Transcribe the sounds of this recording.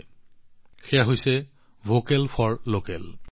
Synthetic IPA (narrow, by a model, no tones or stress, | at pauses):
xejaɦojsɛ | vʱokɛlpʰɔɹlokɛl